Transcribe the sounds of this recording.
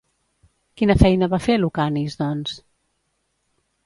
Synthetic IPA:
kinəfɛjnəβafelukanizd̪ɔns

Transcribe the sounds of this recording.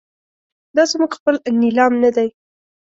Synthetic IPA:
d̪ɑsemuɡxpəlnɪlɑmnad̪aj

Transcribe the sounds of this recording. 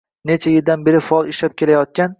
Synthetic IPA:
ne̞t͡ʃʰajɪld̪anbe̞ɾɪfaɒlˠɪʃlap̚kʲe̞lajɒt̪̚kʲan

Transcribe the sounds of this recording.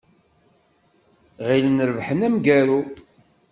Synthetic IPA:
ʁilənəɾəvħənæmɡæɾu

